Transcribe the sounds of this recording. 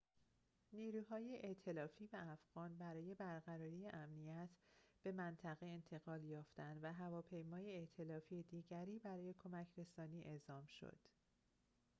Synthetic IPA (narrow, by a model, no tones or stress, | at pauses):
niːɾuːhɒːjeʔeʔt̪ʰe̞lɒːfiːvææfɣ̥ɒːnbæɾɒːje̞bæɾɣæɾɒːɾiːjeʔæmnijæt̪ʰb̥e̞mænt̪ʰæɣe̞ent̪ʰe̞ɣɒːljɒːft̪ænd̪væɦævɒːpʰe̞jmɒːjeeʔt̪ʰe̞lɒːfiːed̪iːɟæɾiːbæɾɒːje̞kʰo̞mæcʰɾe̞sɒːniːʔe̞zɒːmʃo̰d̪̥